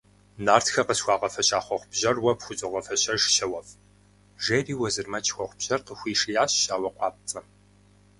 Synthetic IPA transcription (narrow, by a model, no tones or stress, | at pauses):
naːrtxɐqəsxʷɑːʁɐfɐɕaːχʷɔχʷbʑɐrwɐpxʷʊt͡sʼɪʁɐfɐɕɐʒʃɐwɐf | ʒeːriːwɐzɨrmɐt͡ʃʼxʷɔχʷbʑ̥ɐrqəxʷiːʂijaːɕɕaːwɐqʷɑːp̚t͡sʼɐ